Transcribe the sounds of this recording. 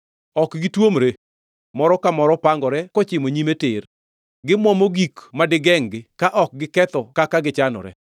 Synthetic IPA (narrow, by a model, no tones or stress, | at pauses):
ɔkɡɪtwomɾe | mɔɾɔkamɔɾɔpaŋɡɔɾɛkɔt͡ʃɪmoɲimetɪr | ɡɪmwɔmoɡikmadɪɡɛŋɡɪkaʔɔk̚ɡɪkɛt̪ɔkakaɡɪt͡ʃanɔ̰ɾɛ̰